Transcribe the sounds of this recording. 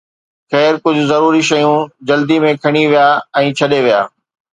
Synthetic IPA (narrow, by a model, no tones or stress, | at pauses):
xɛːɾkʊd͡ʑʱʊzɐɾuːɾiʃɐjũd͡ʑɐld̪imẽkʰɐɽ̃iʋijaːɛ̃ːt͡ɕʰɐɗeʋija̰ː